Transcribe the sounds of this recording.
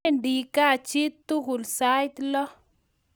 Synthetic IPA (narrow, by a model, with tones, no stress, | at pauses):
ndi˨ka˦˨t͡ʃɪ˦t̪ːu˦kʊ˨lsa˦jt̪lɔ˦